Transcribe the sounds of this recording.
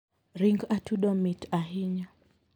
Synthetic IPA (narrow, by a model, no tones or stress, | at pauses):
ɾiŋɡatuɗɔmitaɦiɲa